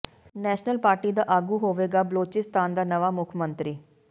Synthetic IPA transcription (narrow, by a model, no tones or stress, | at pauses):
nɛːʃnəlpaːɾʈiːd̪aːʔaːɡuːɦoːʋeːɡaːbəloːt͡ʃɪst̪ʰaːnd̪aːnəʋaːmʊkʰmənt̪ɾiː